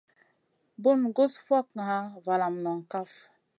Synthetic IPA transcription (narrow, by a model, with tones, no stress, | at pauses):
bu˦nɡo˦sfʷa˦ka˨a˦va˨la˨mnɔ˨ŋ˨ka˦f